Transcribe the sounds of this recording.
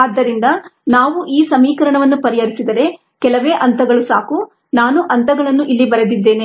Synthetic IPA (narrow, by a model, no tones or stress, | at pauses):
aːd̪ːɐɾind̪ɐnaːʋuʔiːsɐmiːkɐɾɐɳɐʋɐnːupɐɾijɐɾisid̪ɐɾe̞ | kɛlɐʋeːʔɐnt̪ɐɡɐɭusa̰ːku | naːnuʔɐnt̪ɐɡɐɭɐnːuʔilːibɐɾed̪id̪ːe̞ːne